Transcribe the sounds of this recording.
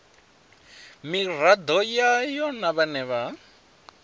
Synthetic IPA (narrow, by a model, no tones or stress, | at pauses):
mirad̪ɔjajɔnaβanɛβa